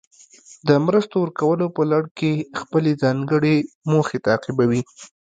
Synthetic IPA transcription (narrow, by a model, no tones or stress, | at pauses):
d̪əmɾəst̪owəɾkawəlopəlaɽkexpəlezɑŋɡəɽe | moxet̪aːqɪbawi